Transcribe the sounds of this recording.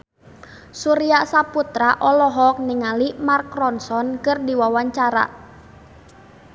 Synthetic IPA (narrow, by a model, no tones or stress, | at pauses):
suɾiasaput̪ɾaʔɔlɔɦɔk̚niŋalimarkɾɔnsɔnkɨrdiwawaɲt͡ʃaɾa̰